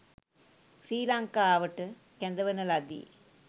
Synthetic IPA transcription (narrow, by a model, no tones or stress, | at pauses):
sɾiːlaːŋkaaːʋɐʈːɯ | kɛnd̪ɐʋɐnɐlɐd̪ḭ